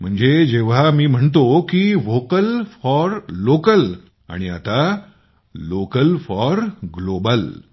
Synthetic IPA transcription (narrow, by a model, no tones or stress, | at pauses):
m̤əɳd͡zed͡ʑeʋ̤amiːm̤əɳt̪okiʋokəlfɔɾlokəl | a̰ɽ̃ia̰t̪a | lokəlfɔɾɡlobəl